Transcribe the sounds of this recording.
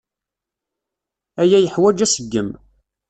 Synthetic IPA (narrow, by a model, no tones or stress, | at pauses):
æjæjəħwæd͡ʒæsəɡːəm